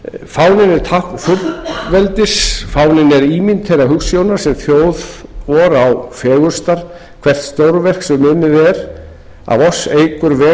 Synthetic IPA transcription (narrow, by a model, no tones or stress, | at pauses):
fawnɪnɛɾ̥t̪ʰahk̪θʊlvɛlt̪ɪsfawnɪnɛɾiːmint̪ʰejɾaɦʏksjownaɾ̥sɛmθjoːwðɔɾawfɛːɣʏɾst̪aɾ̥ | kʰv̥ɛr̥t̪st̪owɾvɛr̥ksɛmːʏnːɪðɛɾ | a̰vɔsːejkʏɾvɛː